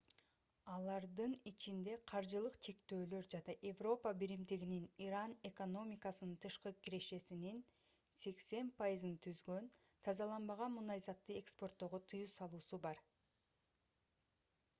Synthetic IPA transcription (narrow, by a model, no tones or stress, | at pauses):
ɑlˠɑɾd̪ɯnit͡ʃʰind̪e̞qʰɑɾd͡ʒɯlˠɯqt͡ʃʰe̞kt̪ø̞ːlø̞ɾd͡ʒɑnɑʔe̞vro̞pəbiɾimd̪iɡininiɾɑne̞ko̞no̞mʲikasɯnɯnt̪ʰɯʃqɯkiɾe̞ʃe̞sinin | se̞kse̞npʰajizɯnt̪ʰyzɡø̞nt̪ʰɑzɑlˠɑnbɑʁɑmunɑjzɑt̪ːɯe̞kspo̞rt̪ːo̞ʁot̪ʰɯjusɑlˠuːsubɑɾ